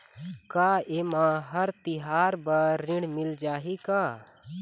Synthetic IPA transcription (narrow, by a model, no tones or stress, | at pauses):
kaːemãɦəɾt̪iɦaːɾbəːɪ̃ɽmɪld͡ʒaːɦikaː